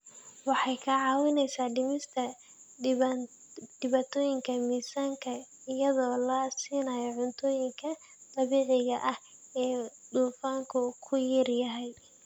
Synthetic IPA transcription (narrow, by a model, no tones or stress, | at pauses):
wɑħɑjkʰɐʕɑːwɪnɛjsaːɖɪmɪst̪ʰɐ | d̪̥ɪβat̪ʰɔːjɪŋkʰɐmiːsaːŋkʰɐ | ɪjɐðɔːlɐsiːnaːjɔʕʊnt̪ʰɔːjɪŋkʰɐ | d̪̥ɐβiːʕɪɣɐʔɐh | ɛːd̪uːfaːŋkʰʊkʰʊjɪrjɐɦɛj